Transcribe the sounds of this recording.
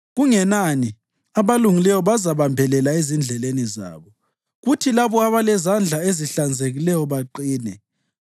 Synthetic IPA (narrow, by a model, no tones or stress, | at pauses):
ɣuŋɛnani | aβaluŋilɛjɔβazaβambʱɛlɛlaezind͡ɮʱɛleniza̰ːβɔ | ɣutʰilaβɔaβalɛzand͡ɮʱaeziɬand͡zʱeɣilɛjɔβaǃiːnɛ